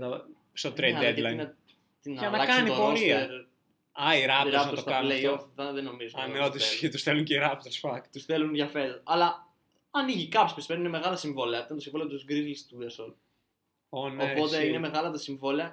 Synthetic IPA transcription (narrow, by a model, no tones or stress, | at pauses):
t̪o | st̪ot̪ɾeed̪lɐjnɐ | t̪inʝɐnɐlɐksɐinitopooɾsiɐeɾ | ɐiɾɐpɾɐot̪osɐɐleoðɐðeno̞mizoɐneot̪ieet̪usθeluŋceiɾɐpt̪oɾsfɐk̪t̪usθelunʝɐfeɾɐlɐ | ɐniʝikɐpspispenuineme̞ɣɐlɐsiɱvoleɐit̪ɐnt̪osĩɱvoleot̪uzɡɾiɣlist̪uesol | onopo̞t̪e̞ine̞meɣɐlɐt̪ɐsiɱvoleɐ